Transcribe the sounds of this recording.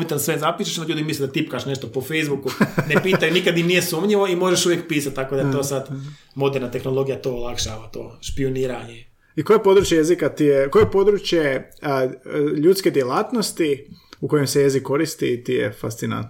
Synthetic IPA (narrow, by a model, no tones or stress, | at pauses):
bit̪ansʋezapiːʃeʃond̪oʎuːd̪imisled̪at̪ipkaʃne̞ʃt̪opofejzbukunepiːt̪anikad̪imnijesumɲiʋoimo̞ʒeʃuʋjekpiːsat̪̚t̪ako̞d̪at̪o̞ːsad̪ | mo̞d̪eɾnat̪exnolˠo̞ɡijat̪oːolˠakʃaʋat̪o̰ːʃpioniːɾaɲe | ikojepo̞d̪ɾut͡ʃje̞jezikat̪ijeko̞jepo̞d̪ɾut͡ʃje | ʎuːt̪ske̞d̪jelaːt̪no̞st̪iuko̞jemseje̞zikːo̞ɾist̪it̪ijḛfast̪sina̰nt̪n